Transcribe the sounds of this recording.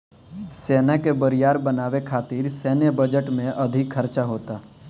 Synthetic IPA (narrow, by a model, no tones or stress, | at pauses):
seːnakebəɾɪjaːɾbənaːʋekʰaːt̪iːɾsɛːnjəbəd͡ʒəʈmẽʔɐd̪ʱɪkʰəɾt͡ʃaɦoːt̪aː